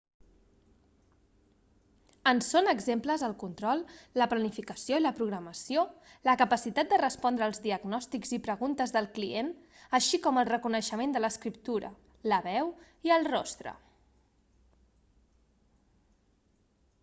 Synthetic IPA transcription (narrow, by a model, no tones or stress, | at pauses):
ənsonəɡzempləzəlˠkunt̪ɾɔlˠːəplənifikəsioiləpɾuɣ̞ɾəməsio | ləkəpəsit̪at̪̚d̪ərəspɔnd̪ɾəːlˠzðiəɡnɔst̪ikzipɾəɣunt̪əzðəlˠklien | əʃikɔməlˠrəkunəʃəmend̪ələskɾip̚t̪uɾə̰ | ləβɛw | iəlˠrɔst̪ɾə̰